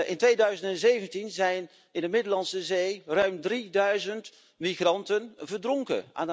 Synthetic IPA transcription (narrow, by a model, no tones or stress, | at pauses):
ʔɪntʋejdœɥzəntɛnzejvəntinzɛjn | ɪndəmɪdəlɑnsəzejrœɥmdridœɥzənt | miχrɑntənvəɹdrɔŋkə̰ʔa̰ːn